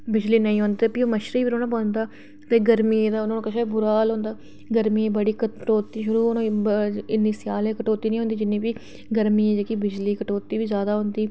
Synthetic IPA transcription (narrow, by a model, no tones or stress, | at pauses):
bɪd͡ʒliːnəĩːɦoːnd̪iːpiːoːməʃɾiːbiːɾoːnãːpaːnd̪aː | t̪eːɡəɾmied̪aʊnãːnũkəʃaːbʊɾaːlɦõːnd̪aː | ɡəɾmiːeːbəɽiːkəʈoːt̪iːʃʊɾuːoːnõːɪnːiːsjaːlẽːkəʈoːt̪iːnə̃ĩːõːnd̪iːd͡ʒɪnːẽːbiː | ɡəɾmiːed͡ʒekiːbɪd͡ʒliːkəʈoːt̪iːʋiːzjaːd̪aːɦʊ̃nd̪iː